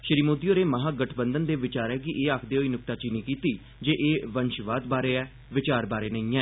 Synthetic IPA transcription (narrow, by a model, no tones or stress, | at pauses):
ʃəɾiːmoːd̪iːoːɾeːməɦaːɡəʈʰbənd̪ənd̪eːʋɪt͡ʃaːɾɛːkɪʔeːaːkʰd̪eːɦoːiːnʊk̚t̪aːt͡ʃiniːkiːt̪iː | d͡ʒeːʔeːʋənʃʋaːd̪baːɾeːɛː | ʋɪt͡ʃaːɾbaːɾeːnəĩːɛː